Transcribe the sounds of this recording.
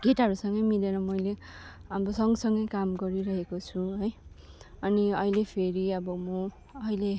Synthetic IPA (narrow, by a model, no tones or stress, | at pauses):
ɡ̥eʈʌɾusʌŋɡʌjmileɾʌmʌjle | ʌbʌsʌŋɡʌsʌŋɡʌjkamɡʌɾiɾʌɦekot͡sʰuɦʌj | ʌniʌilepʰeɾiʌbʌmʌ | ʌile